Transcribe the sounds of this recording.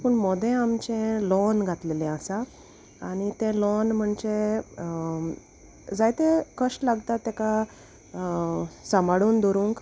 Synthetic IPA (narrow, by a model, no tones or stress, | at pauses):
pəɳmɔd̪ẽamt͡ɕẽlɔnɡʱat̪lelẽəsa | aɽ̃it̪ẽlɔnm̤əɳd͡ʑe | d͡zajt̪ekəʂʈlaɡt̪at̪ːeka | səmaɽuːnd̪ɔɾũːŋk